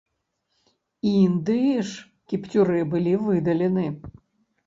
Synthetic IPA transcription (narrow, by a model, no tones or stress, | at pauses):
ind̪ɨiʂ | kʲipt̪ʲuɾɨbɨlʲivɨd̪ɐlʲenɨ